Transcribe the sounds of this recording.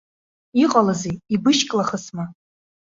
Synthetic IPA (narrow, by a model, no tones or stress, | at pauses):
iqʼalazejibɨʃkʼlaχəsma